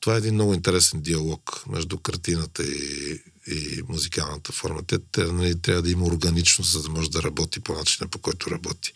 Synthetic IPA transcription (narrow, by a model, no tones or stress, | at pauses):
t̪ovaɛɛd̪inmnɔɣʊint̪ɛɾɛsɛnd̪iɐlˠɔkmɛ̰ʒd̪ukɐɾt̪inət̪əi | imuzikalˠnət̪əfɔɾmət̪ɛt̪nɐlit̪ɾʲavəd̪ɐimɐoɾɡɐnit͡ʃnoszɐd̪ɐmɔʒɛd̪ɐɾɐbɔt̪iponat͡ʃi̥nəpokɔjt̪ʊɾɐbɔt̪i̥